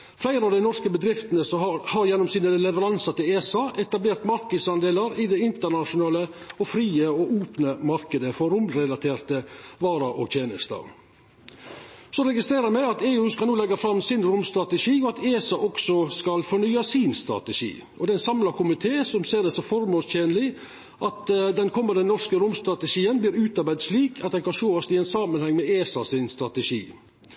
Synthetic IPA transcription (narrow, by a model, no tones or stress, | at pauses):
flæɪɾəɑʋd̪ɛɪnɔɾskəbəd̪ɾɪft̪ənəsɔhɑɾjɛnːɔmsiːnəlɛʋəɾɑnsɑt̪ɪleːsɑʔɛt̪ɑbleːɾt̪mɑɾkəd̪sɑnd̪eːlɑɾɪd̪ɛɪnt̪əɳɑʂʊnɑːləɔfɾiːəɔʔuːpnəmɑɾkəd̪əfɔɾʊmɾɛlɑt̪ʰeːɾt̪əʋɑːɾɑʔɔɡt̪ʰjeːnəst̪ɑ̰ː | sɔɾɛɡɪst̪ɾeːɾəɾmæɪɑt̪eːʉːskɑluːlɛɡɑfɾɑmsɪnɾʊmst̪ɾɑt̪əʂiːɔɑt̪ʰeːsɑʔɔksɔskɑlfɔɳyːɑsiːnst̪ɾɑ̰t̪əʂḭː | ʔɔd̪ɛɛnsɑmlɑkʊmɪt̪ʰeːsɔmseːɾd̪ɛsɔfɔɾmoːstjeːnəlɪ | ʔɑt̪d̪ɛnkʰɔmːənd̪ənɔʂkəɾʊmst̪ɾɑt̪əʂiːənbliːɾʉːt̪ɑɾbæɪd̪ʂliːkʰɑt̪̚d̪ɛnkɑnʃoːɔsɪɛɪnsɑmənhɛŋːmɛeːsɑsɪnst̪ɾɑt̪əʃḭː